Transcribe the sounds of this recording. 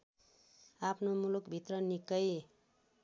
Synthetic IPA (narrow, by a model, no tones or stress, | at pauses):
apʰnomulukbʱit̪rʌnikʌj